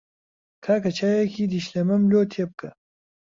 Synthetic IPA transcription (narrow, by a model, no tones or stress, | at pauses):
kʰaːkɐt͡ɕʰajakʰid̪iɕlemɐmljoːt̪ʰep̚kɐ